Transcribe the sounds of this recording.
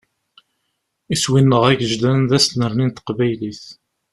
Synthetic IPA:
iswinːəʁæʝəʒlænðæsnəɾnint̪qbæjliθ

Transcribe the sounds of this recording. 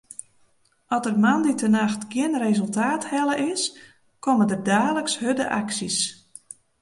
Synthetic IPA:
ɔtərmanditənaxtɡ̥ɪənrezɵlˠtaːthɛləʔɪs | komədərdaːləkshødə̰ʔa̰ksis

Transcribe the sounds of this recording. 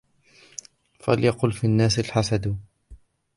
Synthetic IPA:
faljɑqʊːlfinːaːsalħasad̪

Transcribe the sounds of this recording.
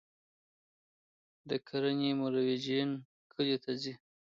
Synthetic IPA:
d̪əkʰaɾanemʊɾawed͡ʒian | kʰəlet̪ʰazi

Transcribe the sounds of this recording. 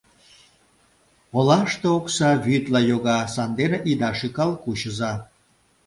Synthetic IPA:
olɑʃt̪ooksɑβyt̪lɑjoɣɑsɑnd̪eneʔid̪ɑʃikɑlkuɕəzɑ

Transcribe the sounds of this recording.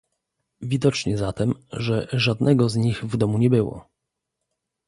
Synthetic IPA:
vʲid̪ɔt͡ʂɲɛzat̪ɛmʐɛʐad̪nɛɡɔzɲiɣvd̪ɔmuɲɛbɘwɔ̰

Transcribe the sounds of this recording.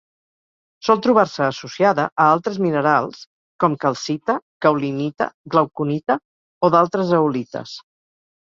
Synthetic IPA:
sɔlˠt̪ɾuβ̞arsəːsusiaðəʔəalˠt̪ɾəzminəɾalˠs | kɔmkəlˠsit̪əkəwlinit̪ə̰ɡləwkunit̪ə | oðalˠt̪ɾəzəwlit̪ə̰s

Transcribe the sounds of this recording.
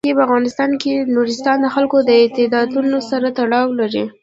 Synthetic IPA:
epəafɣɑnɪst̪ɑnkenuɾɪst̪ɑnd̪əxalkod̪əɪt̪ɪd̪ɑd̪unosaɾat̪aɽɑwlaɾi

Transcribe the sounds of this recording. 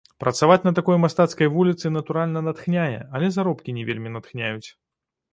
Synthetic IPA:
pɾɐt̪savat͡sʲnɐt̪akɔjmast̪at̪skɐjvulʲit̪sɨnɐt̪uɾalʲnɐnɐt̪xnʲajɛ̰ɐlʲɛzaɾɔpkʲinʲɛvʲelʲmʲinɐt̪xnʲajut͡sʲ

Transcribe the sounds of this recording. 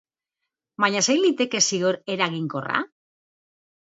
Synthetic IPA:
baɲasejlit̪e̞ke̞siɣo̞ɾe̞ɾaɣiŋko̞ra̰

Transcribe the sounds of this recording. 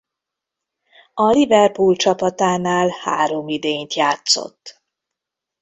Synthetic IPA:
ɒlivɛrpult͡ʃɒpɒt̪aːnaːlha̰ːɾomid̪eːnt̪jaːt̪so̰t̪ː

